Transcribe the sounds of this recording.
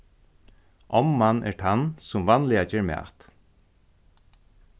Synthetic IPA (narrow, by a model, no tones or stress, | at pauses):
ʔɔmːanːʔɛ̰ɹt̪ʰansʊmvanlɪat͡ʃɛːɹmæ̰ːt̪